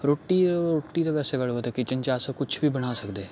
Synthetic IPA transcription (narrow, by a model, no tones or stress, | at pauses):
ɾoːʈiɾoːʈit̪aʋɛːseɡɐɽot̪ekit͡ʃə̃nt͡ʃaːsakʊt͡ʃʰbʱibɐɽ̤̃aːsɐkd̪eː